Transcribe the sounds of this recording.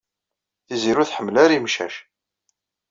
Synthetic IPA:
θiziɾuθħəmːlaɾimʃæ̰ʃ

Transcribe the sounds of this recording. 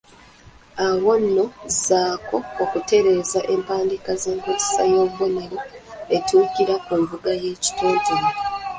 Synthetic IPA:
awo̞nːo̞zaːko̞okute̞ɾe̞ːzaʔe̞mpaːndikaze̞ːŋkuɾisa̰joββone̞ɾoetuːkiɾakuɱvuɡaje̞ːci̥toːɲtu

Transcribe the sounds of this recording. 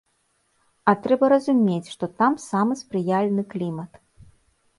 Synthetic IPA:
ɐt̪ɾɛbɐɾɐzumʲet͡sʲʂt̪ɔt̪amsamɨspɾɨjalʲnɨklʲimɐt̪

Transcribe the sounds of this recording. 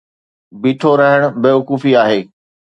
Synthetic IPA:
biːʈʰoɾəɦəɽ̃beːʋʊkuːfiaːɦeː

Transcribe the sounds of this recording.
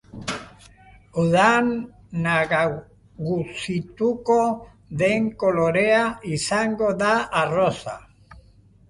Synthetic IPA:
uðanː | aɣa | ɣusit̪uko | ðeŋko̞lo̞ɾeaisaŋɡo̞ðaːrosa̰

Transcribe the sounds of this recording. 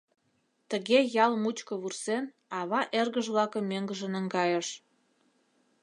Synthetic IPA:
t̪əɣejɑlmut͡ɕkə̆βursen | ɑβɑʔerɣəʒβlɑkəmːøŋɡəʒə̆nə̆ŋɡɑjə̆ʃ

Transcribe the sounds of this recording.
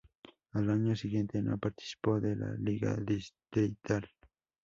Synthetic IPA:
alaɲosɪɡjent̪eno̰paɾt̪ɪ̥si̥pod̪ela̰liɡa̰d̪ɪst̪ɾit̪al

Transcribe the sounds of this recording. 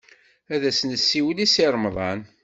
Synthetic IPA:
æðæsnəsːiwlisiɾˤmðˤɑn

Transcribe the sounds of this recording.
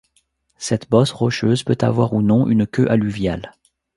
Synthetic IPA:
sɛt̪bɔsʁɔʃøzpøt̪a̰vwaʁunɔ̃ʔynkʲøʔalyvja̰l

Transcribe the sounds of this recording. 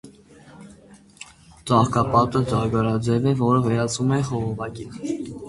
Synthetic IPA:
t͡ʃɑhkɑpɑt̪əd͡ʒɑɾɡɑɾɑd͡ʒɛvɛvɔɾəvɛɾɑt͡sʰumɛχɔʁɔvɑkin

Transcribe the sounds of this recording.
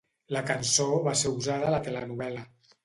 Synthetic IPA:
ləkənsoβaseɾuzaðəːlət̪elɛnuβɛlə

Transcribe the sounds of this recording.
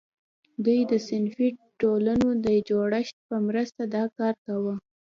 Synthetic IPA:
d̪ujd̪əsɪnfiʈolanod̪əd͡ʒoɽəʃt̪̚pəmɾəst̪ad̪ɑkɑɾkawə

